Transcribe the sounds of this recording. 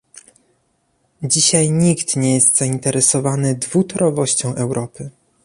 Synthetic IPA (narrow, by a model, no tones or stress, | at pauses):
d͡ʑiɕajɲikt̪ɲɛjɛst̪z̥aint̪ɛɾɛsɔvanɘd̪vut̪ɔɾɔvɔɕt͡ɕɔ̃w̃ʔɛwɾʔɔpɘ